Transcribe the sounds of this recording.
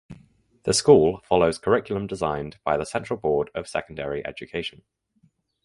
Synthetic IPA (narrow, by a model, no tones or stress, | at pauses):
ðəskuːlˠfɒloʊz̥kʰəɹɪkjl̩ə̃mdɪzãɪ̃nb̥aɪðəsɛ̃nt͡ʃɹ̥əlˠbɔːdəv̥sɛ̰kə̃ndəɹiʔɛ̰d͡ʒəkʰeɪʃə̃n